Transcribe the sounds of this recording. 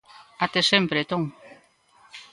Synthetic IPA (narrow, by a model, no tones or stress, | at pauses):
at̪esempɾet̪ɔŋ